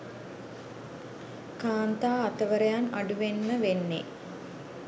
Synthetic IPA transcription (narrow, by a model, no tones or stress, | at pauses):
kaːnt̪aːt̪əʋəɾəjana̰ɖuʋenməʋenːḛ